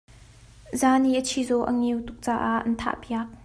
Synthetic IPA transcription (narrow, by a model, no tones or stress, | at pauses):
zaːniʔət͡sʰizɔwʔə̰ŋiwt̪uk̚t͡saːʔaʔɐnt̪ʰa̰ːʔpjɐk̚